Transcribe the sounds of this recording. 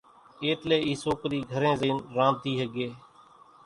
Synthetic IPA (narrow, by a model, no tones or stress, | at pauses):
eːt̪leːiːsoːkɾiːɡʱəɾẽːzeːnɾãːnt̪iːɦəɡeː